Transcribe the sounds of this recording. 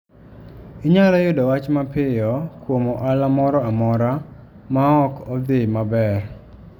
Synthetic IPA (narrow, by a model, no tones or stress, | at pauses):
iɲalɔjʊdɔwat͡ʃmapɪjɔkwomɔʔalamɔɾɔamɔɾa | maɔkɔd̪ɪmabɛr